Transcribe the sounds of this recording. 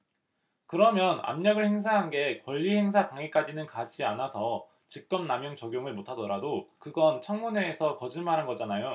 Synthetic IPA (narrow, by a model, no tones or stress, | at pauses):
kɯɾʌmjʌna̰mɲʌɡɯɭhe̞ŋsʰaɦanɡe̞kwʌʎːihe̞ŋs̬ʰataŋik͈ad͡ʑinɯnkad͡ʑianasʰʌ | t͡ɕik̚k͈ʌmnamjʌŋt͡ɕʌɡjoŋɯɭmotʰadʌɾadokɯɡʌnt͡ɕʰʌŋmune̞ːsʰʌkʌd͡ʑɯɭmaɾɦanɡʌd͡ʑanajo